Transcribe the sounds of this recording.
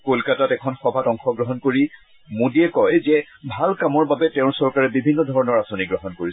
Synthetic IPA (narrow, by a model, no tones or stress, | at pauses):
kolkatatɛkʰɔnxɔbʱatɔŋxɔɡɹɔɦɔnkoɹi | mũdiɛkɔjzɛ | bʱalkamɔɹbabɛtɛ̃ʊ̃ɹsɔɹkaɹɛbibʱinːɔdʱɔɹɔnɔɹasoniɡɹɔɦɔnkoɹisɛ